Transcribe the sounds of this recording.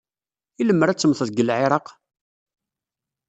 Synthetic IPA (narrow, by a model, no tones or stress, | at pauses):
iləmːəɾæt͡sːəmθəðɡəlʕɪɾˤɑq